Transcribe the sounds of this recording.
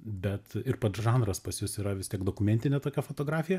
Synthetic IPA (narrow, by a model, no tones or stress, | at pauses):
bʲɛt̪ɪɾpɐt̪ʒɑːnɾɐspɐsʲjʊsiːɾɐʋʲɪst̪ʲiɛɡd̪oːkʊmʲɛnʲt̪ʲɪnʲɛt̪oːkʲɛfot̪oːɡɾɑːfʲɪjɛ